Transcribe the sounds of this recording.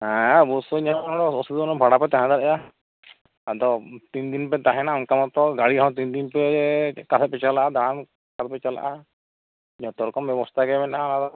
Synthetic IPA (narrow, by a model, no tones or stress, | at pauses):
ɦãbɔsɔɲãɔɽɔɔsid̪ɔnɔbʱaɽapɛt̪aɦãd̪aɾɛja | ad̪ɔt̪ind̪inpɛt̪aɦɛnaunkamɔ̃t̪ɔɡaɽiɦãw̃t̪̬ind̪inpɛkasɛt̪̚pɛt͡ʃalaʔad̪aɾam | kat̪̚pɛt͡ʃala̰ʔa | ɲɔ̃t̪ɔɾɔkɔmbjɛbɔst̪ʰaɡɛmɛnanad̪ɔ